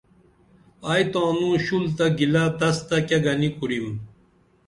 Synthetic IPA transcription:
ajt̪ãːnũɕult̪ɐɡilat̪ɐst̪ɐkeɡɐnikuɾim

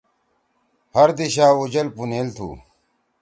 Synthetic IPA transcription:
hɐɾd̪iɕaːud͡ʑɐlpuneːlt̪ʰṵː

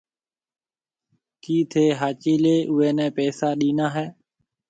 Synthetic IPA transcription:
kiːt̪ʰeːɦaːt͡ʃiːleːʔʊɦeːnɛ̃ːpɛːsaːɗiːnãːɦɛː

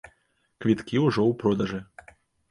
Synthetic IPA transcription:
kvʲit̪kʲiuʐɔwpɾɔd̪ɐʐɨ

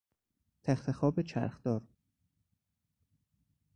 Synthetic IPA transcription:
t̪ʰæxt̪ʰexɒːbet͡ʃʰæ̰ɾxd̪̥ɒːɾ

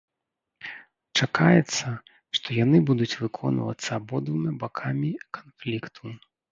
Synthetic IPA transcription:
t͡ʂakajɛt̪sːɐ | ʂt̪ɔjanɨbud̪ut͡sʲvɨkʰɔnvɐ̰t̪sːɐːbɔd̪vɨmʲabakʰamʲikanflʲikt̪ʰu

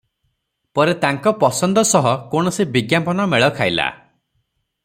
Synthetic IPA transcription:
pɔɾet̪aŋkɔpɔsɔnd̪ɔsɔɦɔkoɽ̃ɔsibiɡjampɔnɔmeɭɔkʰajla̰

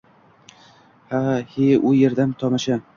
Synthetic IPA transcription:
haheʔʊjeɾd̪amt̪ʰɒmɪʃa

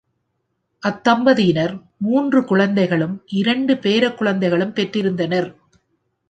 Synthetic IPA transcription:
ʔɐt̪ːɐmbɐðɪjɪnɐɾ | muːndrɯkʊɻɐnd̪ɐɪɣɐɭɯmʔɪɾɐɳɖɯpeːɾɐkːʊɻɐnd̪ɐɪɣɐɭɯmpɛʈrɪɾɯnd̪ɐnɐɾ

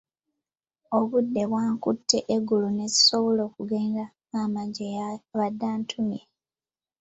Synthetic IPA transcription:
o̞βudːe̞βwaːŋkutʰːe̞ʔeɡulune̞zi̥so̞βolo̞ːkuɡe̞ːnda | amaɟejaβadːaːntʰumje

